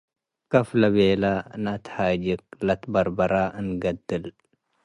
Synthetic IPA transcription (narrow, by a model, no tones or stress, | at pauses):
kɐflɐbeːlanat̪haːd͡ʒik̚lɐt̪bɐɾbɐɾaɨnɡɐd̪ːɨl